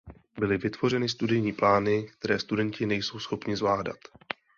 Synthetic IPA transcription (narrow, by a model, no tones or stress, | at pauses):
bɪlɪvɪt̪vo̞r̝ɛnɪs̬t̪udɪjɲiːplaːnɪk̚t̪ɛɾɛːst̪udɛncɪnɛjso̞wsxo̞pɲɪzvlaːda̰t̪